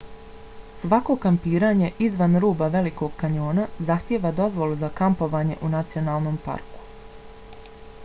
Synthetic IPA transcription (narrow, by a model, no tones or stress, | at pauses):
sʋako̞kampiːɾaːɲe̞ʔizʋanɾuːbaʋe̞liko̞ɡkaɲo̞ːnazaxt̪jeːʋad̪o̞zʋo̞lˠuzakampo̞ʋaːɲe̞̰ʔunat̪sio̞naːlˠno̞mpa̰ɾku̥